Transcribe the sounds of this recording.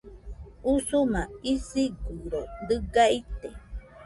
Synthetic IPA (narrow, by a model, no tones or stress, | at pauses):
usumãisiɡuɾod̪ɨɡait̪e